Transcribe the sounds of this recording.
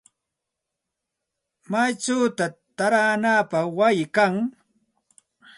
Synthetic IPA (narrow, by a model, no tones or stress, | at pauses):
majt͡ʃawt̪at̪aɾaːnaːpaχwajɪkaŋ